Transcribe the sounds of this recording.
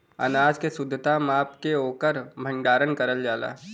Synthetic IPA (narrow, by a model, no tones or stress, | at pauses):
ɐ̰naːd͡ʒkesʊd̪ʱːət̪amaːpkeoːkəɾbʱə̃ɳɖaːɾənkɐɾəld͡ʒaːla̰ː